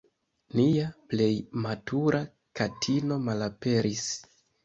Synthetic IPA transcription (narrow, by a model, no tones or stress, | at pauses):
niaple̞jmatʰuɾa | katʰino̞malape̞ɾis